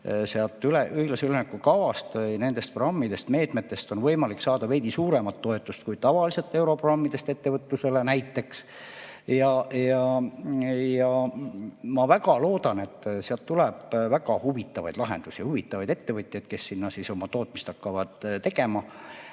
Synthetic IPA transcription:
seɑlt̪ːˑyleʔyhiɡ̥lɑsylenekːukɑvɑst̪vɤjne̞nd̪e̞st̪̚proɑmːid̪e̞st̪me̞ːt̪me̞t̪ːˑe̞st̪o̞nvɤjmɑlikːsɑːd̪̥ɑve̞jd̪̥isuːɾe̞mɑt̪ːo̞e̞t̪ːˑust̪̚kujt̪ɑvɑlise̞t̪ːˑe̞wɾo̞prɑmːid̪̥e̞st̪e̞t̪ːe̞vɤt̪ːuse̞lenæjt̪ːe̞ks | jɑjɑ | jɑ | mɑvækɑlo̞ːd̪ɑne̞t̪ːseɑlt̪ːulɛb̥væɡɑhuvit̪ːˑɑvɑ̰jd̪lɑɦe̞̰nd̪̥usijɑhuvit̪ːˑɑvɑjd̪et̪ːevɤt̪ʲˑjɑjd̪̥ke̞sːinːɑsiso̞mɑt̪o̞ːt̪ˑmist̪ɑkːɑvɑd̪̥t̪e̞ɡe̞mɑ

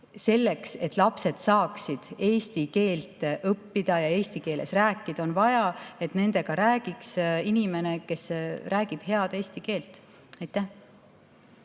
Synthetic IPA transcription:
se̞lːekse̞t̪ːˑlɑpse̞d̪̥sɑːksid̪̥e̞ːst̪ike̞ːlt̪ʔɤpːid̪̥ɑjɑe̞ːst̪ike̞ːle̞̰sræːkːˑid̪̥ɑo̞nvɑjɑe̞t̪ne̞nd̪e̞ɡ̥ɑɾæːɡ̥iksinime̞ne̞ke̞sræːɡ̥ib̥he̞ɑd̪̥e̞ːst̪ike̞ːlt̪ːˑ | ɑjt̪ːˑæh

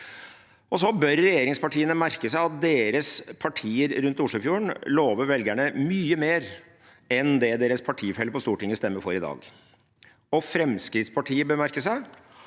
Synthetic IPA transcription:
ɔsɔbœɾːɛjeːɾɪŋspɑʈʰiːənəmæɾkəsæɪɑt̪̚d̪eːɾəspʰɑʈʰiːəɾɾʉnt̪ʊʂɭuːfjuːəɳloːʋəʋɛlɡæɳəmyːəmeːɾ | ɛnd̪ɛd̪eːɾəspʰɑʈʰiːfɛləpɔst̪uːʈɪŋːəst̪ɛmːəɾfɔɾɪd̪ɑ̰ːɡ | ɔfɾɛmskɾɪt̪spʰɑʈʰiːəbəmæɾkəsæɪ

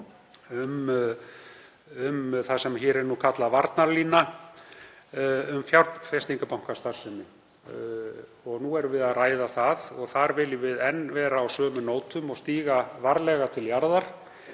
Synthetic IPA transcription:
ʏm | ʏmθasɛmçɛːɾɛɾnukʰat̪lavaɾt̪naɾliːnːa | ʏmfjawɾt̪nfɛst̪iŋkapawŋ̥kast̪aɾ̥sʏnɪ | ɔɣnuɛɾvɪðaðraːjðaθaðɔɣθaɾvɪlɪvɪðɛnːvɛːɾaːwsœːmʏnoːwt̪ʏmɔɣst̪iːɣavaɾlɛɣat̪ʰɪljaɾðaɾ̥

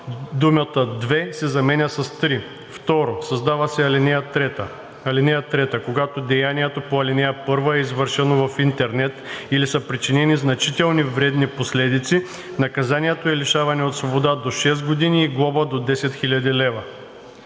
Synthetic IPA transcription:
d̪umʲət̪əd̪vɛsɛzɐmɛnʲəsɐst̪ɾi | ft̪ɔɾosɐzd̪avɐsɛlɛ | ɐlinɛjət̪ɾɛt̪əkoɡat̪od̪ɛjaniɛt̪opoɐlinɛjəpɤɾvəɛizvɤɾʃɛnovɐfint̪ɛɾnɛt̪ilisəpɾit͡ʃinɛniznɐt͡ʃit̪ɛlˠnivɾɛd̪niposlɛd̪it̪si | nɐkɐzaniɛt̪oɛliʃavɐnɛot̪svobod̪ad̪oʃɛs̬ɡod̪iniːɡlˠɔbəd̪od̪ɛsɛt̪xilʲɐd̪ilɛvɐ

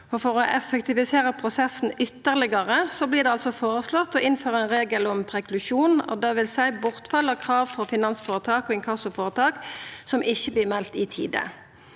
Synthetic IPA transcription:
ɔfɔʁɔʔɛfɛkt̪ɪʋɪseːʁəpʰʁʊsɛsn̩ʏt̪ːəʁlɪɡɑʁəsɔbliːʁd̪ɛɑlsɔfoːɾəslɔt̪ːɔʔɪnføːɾʁəɛnʁeːɡəlɔmpʰʁɛkʰlʉʃuːnɔ̰d̪ɛʋɪlsæɪbʊʁt̪fɑlːəkʰʁɑːʋfɔʁfɪnɑnsfoːʁət̪ʰɑːkɔɪŋkʰɑsʊfoːʁət̪ʰɑːksɔmʔɪçːəbliːmɛlt̪ɪt̪ʰḭːd̪ə̰

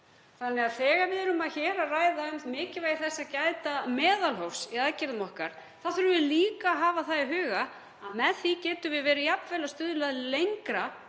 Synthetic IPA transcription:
θanːɛaðθɛːɣaɾvɪðʏɾʏmaðçɛːɾaraːjðaʏmt̪mɪːcɪvajθɛsːacaːjt̪amɛːðalɦofsiaðcɪɾðamɔhkaɾ̥ | θaðθʏɾʏvɪliːkaɦaːvaθaðɪɦʏːɣa | mɛðθicɛːt̪ʏvɪðvɛːɾʏjapnvɛlast̪ʏðʏlaðɪlejŋkɾa

